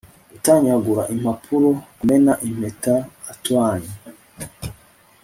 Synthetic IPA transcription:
utaɲaɡuɾaʔim̥hapʰuɾokumenaʔim̥etaːtwaːɲe

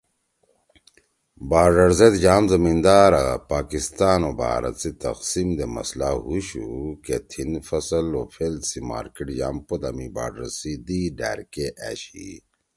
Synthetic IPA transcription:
baːɾɖɐɾzet̪d͡ʑaːmzɐmind̪aːɾɐpaːkist̪aːnobʱa̰ːɾɐ̰t̪sit̪ɐ̰qsimd̪emɐ̰slaɦuɕuket̪ʰinfɐsɐlofʰelsima̰ːɾkeʈjaːmpod̪ɐmiba̰ːɾɖɐɾsid̪iɖa̰ːɾkeʔæːɕḭ

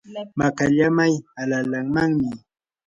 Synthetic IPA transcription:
makaʎamajalalaŋmaŋmɪ

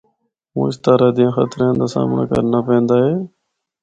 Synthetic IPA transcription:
mṵ̃ːɪst̪aːɾaːd̪ɪjãːxət̪ɾẽːnd̪aːsa̰ːmna̰ːkə̰ɾnaːpẽːnd̪aːɦeː

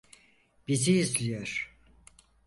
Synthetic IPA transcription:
b̥iziːzlʲijoɾ̥

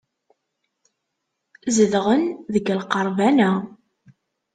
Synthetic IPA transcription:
zəðʁənðəɡəlqəɾˤvænæ

